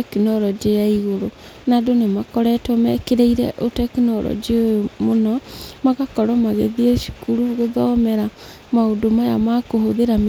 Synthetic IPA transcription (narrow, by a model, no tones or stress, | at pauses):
ɛkenɔɾɔd͡ʒeaiɣoɾo | nadonemakɔɾɛtwɔmɛkeɾeiɾɛʔotɛkenɔɾɔ̰d͡ʒeojomonɔmaɣakɔɾɔmaɣeðiɛʃi̥kuɾuɣeðɔmɛɾa | maodomaja̰makohoðeɾam